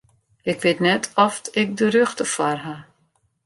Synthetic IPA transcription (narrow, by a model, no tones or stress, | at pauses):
ɪkʋɪtnɛtʰɔfɪk̚dərøxtəfarɦa